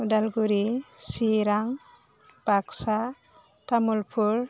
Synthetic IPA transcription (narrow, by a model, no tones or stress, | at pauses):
dalɡuɾisiɾaŋ | b̥aksa | tamulpʰuɾ